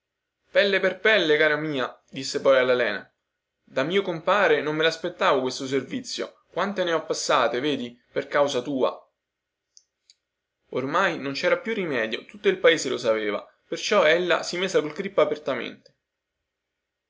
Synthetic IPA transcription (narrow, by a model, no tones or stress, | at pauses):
pɛlːeperpɛlːekaːɾamiːad̪isːepɔjalːalɛːna̰ | d̪amiːokompaːɾenomːelaspet̪ːaːvokwest̪os̬ervit̪sːjo̰ | kwant̪eneɔpːasːaːt̪eveːd̪iperkawsat̪uːa̰ | ormajnont͡ʃɛːɾapjurːimɛːd̪jot̪ut̪ːoilpaeːzelosapeːva̰ | pert͡ʃɔɛlːa̰simezakolkɾipːaːpert̪amḛnt̪e̥